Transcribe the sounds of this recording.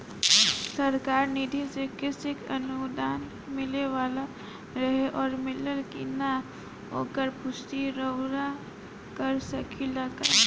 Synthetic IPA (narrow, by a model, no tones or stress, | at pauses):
səɾkaːɾnid̪ʱisekɪsɪkənud̪aːn | mɪleʋaːla | ɾəɦeʔɔːɾmɪləlkina | o̰ːkəɾpʊsʈ̪iɾəwɾa | kəɾsəkʰilaɡa